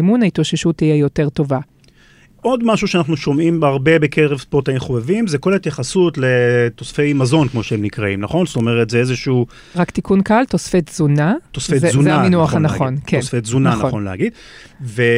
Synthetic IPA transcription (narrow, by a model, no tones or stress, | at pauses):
munait̪ʁoʃeʃut̪ijejo̞teʁt̪o̞va | ʔo̞d̪maʃuʃeanaχnuʃo̞mimaʁbe̞bekʰeʁevspotaimχovevimzeko̞lahit̪jaχasutle̞t̪o̞sfe̞jmazo̞nkmo̞ʃeemnikʁaimnaχo̞nst̪o̞meʁetzeezeʃuː | ʁakt̪ikunkaltosfet̪z̥unat̪osfezzunaminuaχanaχo̞nkʰesfet̪zunaχnonlea̰ɡid̪ | ve